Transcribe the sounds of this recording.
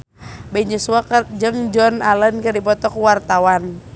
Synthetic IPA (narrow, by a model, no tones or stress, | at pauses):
bɛiɲusuakərd͡ʒəŋd͡ʒɔnalənkərdipɔt̪ɔkuwart̪awan